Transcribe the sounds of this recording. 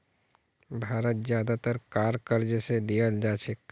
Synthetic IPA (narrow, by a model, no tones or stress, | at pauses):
bʱaːɾət̪̚zjaːd̪at̪əɾkaːɾkəɾd͡ʒəsed̪ijəld͡ʒaːt͡ʃʰek